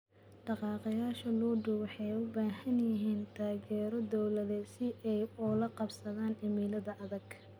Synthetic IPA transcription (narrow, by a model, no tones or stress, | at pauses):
ɖɑqɑːqɑjaːʃɐluːɖʊwħɛjʊbaːhɐnjɪɦiːnt̪ʰaːɣɛːɾɔd̪ɔwlɐðɛsɪʔɛjɔlɐqɑbsɐðaːnɪmiːlɐðɐʔɐðɐɡ